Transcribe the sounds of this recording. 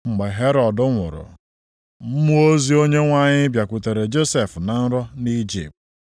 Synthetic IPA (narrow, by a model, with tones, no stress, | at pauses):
ŋ͡m̩˨ɡ͡be˨ɦe˦ɾɔ˨dʊ˦ŋʷʊ̰˨ɾʊ̰˨ | m̩˦mu˦o˦zi˦o˦ɲe˦ŋʷa˦ɲɪ˦bja˨kʷʊ˨te˨ɾe˨d͡ʒo˦se˨fna˨n̩˦ɾɔ˦ni˦d͡ʒḭ˨p̚t